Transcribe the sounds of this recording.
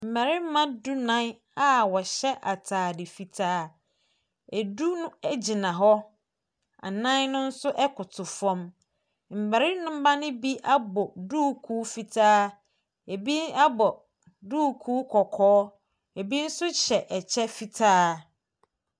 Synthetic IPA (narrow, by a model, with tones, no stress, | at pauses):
m̩˨mæ˨ɾi˦m˦mã˦du˦nã˦n˦ | a˨wɔ˨ɕɛ˦ʔa˨tʰaː˨dɪ˨fi˨tʰaː˦ | e˨du˦nʊ̃˦ɛ˦d͡ʑi˨nã˨ɦɔ˦ | a̰˨nã˦nnʊ̃˦n̩˦sʊ˦ʔɛ˦kʰʊ˨tʰʊ˨fɔ̃˦m | m̩˨ba˨ɾɪ˦nʊ̃˦m̩˦ba˦nɪ̃˦bi˦ʔa˦bɔ˨duː˦kʰuː˦fi˨tʰaː˦ | e˨bi˦a˦bɔ˨ | duː˦kʰuː˦kʰɔ˨kʰɔː˦ | e˨bi˦n̩˦sʊ˦ɕɛ˨ʔɛ˨t͡ɕʰɛ˦fi˨tʰaː˦